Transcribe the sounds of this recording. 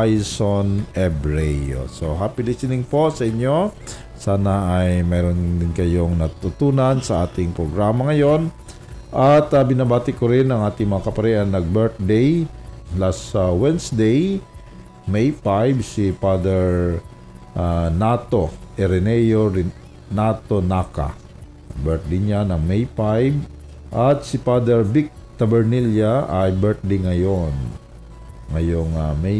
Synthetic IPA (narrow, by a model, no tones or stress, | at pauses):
ajsonɛbɹɛjo̰soɦapɪlɪsɪnɪŋpo̞sɐʔɪɲjo̞ | saːnɐʔːjmɛːɾond̪ɪnkɐjo̞ŋnɐt̪ʊt̪uːnɐnsɐʔaːt̪ɪŋpɾoɡɾaːmɐŋɐjo̞n | ʔɐt̪ɐbɪnabaːt̪ɪkoɾɪnɐŋʔaːt̪ɪŋmɐŋakɐpɐɾɛʔɐnːɐɡ̚bɛɹt̪̚d̪ɛjlasawɛnsd̪ej | mɛjpajbsipad̪ɛɹ | ʔanat̪o̞ʔɛɾɛnɛjoɾ | nat̪o̞naka̰ | bɛɹt̪̚d̪ɪɲanɐŋmɛjpajb̚ | ʔɐt̪̚sɪpad̪ɛɹbɪk̚t̪ɐbɛɹniljaʔɐjbɛɹt̪̚d̪ɪjŋɐjon | ŋɐjoŋamɛ